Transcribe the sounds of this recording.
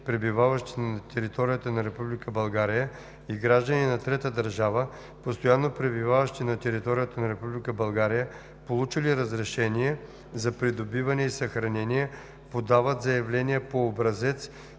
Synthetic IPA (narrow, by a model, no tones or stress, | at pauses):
pɾɛbivavəʃt̪i̥nt̪ɛɾit̪ɔɾijət̪ənɐɾɛpublikəbɐlˠɡaɾijə | iɡɾaʒd̪əninɐt̪ɾɛt̪əd̪ɐɾʒavə | post̪ojanːopɾɛbivavəʃt̪inɐt̪ɛɾit̪ɔɾijət̪ənɐɾɛpublikəbɐlˠɡaɾijə | polˠut͡ʃiliɾəzɾɛʃɛniɛ | zɐpɾid̪obivɐnɛisɐxɾɐnɛnijɛ | pod̪avət̪zɐjɐvlɛnijɛpoːbɾɐzɛt̪s